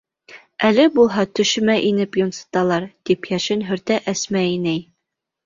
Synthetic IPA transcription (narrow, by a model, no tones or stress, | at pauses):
ælɘbulˠɦɑt̪ɵ̆ʃɘ̆mæʔinɘpjŏnsɤ̥t̪ɑlˠɑɾd̪̥ipjæʃɘnɦɵ̆ɾt̪æʔæsmæinæj